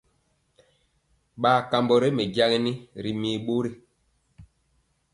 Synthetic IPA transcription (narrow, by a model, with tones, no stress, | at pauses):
ɓaː˨ka˨mbɔ˨ɾe˦me˨ɟa˦ɣɛ˦ni˦ɾi˨miː˨ɓo˦ɾi˦